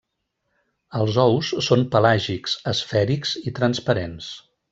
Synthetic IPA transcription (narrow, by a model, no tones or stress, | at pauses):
əlˠzɔwsːompəlaʒiksəsfɛɾikz̥it̪ɾənspəɾens